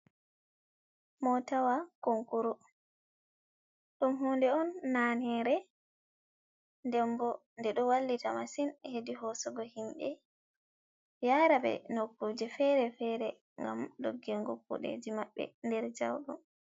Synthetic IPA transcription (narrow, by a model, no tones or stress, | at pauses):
mɔtawakoŋkuɾu | ɗumɦuːndɛɔnːanɛɾɛ | ndɛmbɔ | ndɛɗɔwalːitamasinhediɦɔsɔɡɔhimɓɛ | jaɾabɛ̰nokːoːd͡ʒɛfɛɾɛfɛɾɛ | ŋɡa̰mɗo̰ɡːɛŋɡokːṵɗḛd͡ʒimaɓːɛ̰ndɛɾd͡ʒawɗṵm